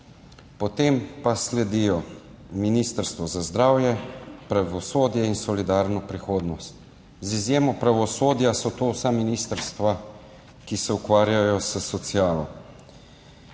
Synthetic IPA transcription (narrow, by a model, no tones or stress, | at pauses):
pɔt̪empaslɛd̪ijɔ | miniːst̪əɾst̪ʋɔzazd̪ɾaːwjɛpɾaʋɔsoːd̪jɛinsɔlid̪aːɾnɔpɾixoːd̪nɔst̪ | zizjeːmɔpɾaʋɔsoːd̪jasɔt̪oːwsaminiːst̪əɾst̪ʋa | kisɛukʋaːɾjajɔsəsɔt̪siaːlɔ